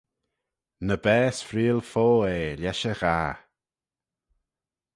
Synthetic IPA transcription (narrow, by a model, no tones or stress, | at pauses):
nəbɛːsfɾiːlfoːeːlʲɛʃəɣaː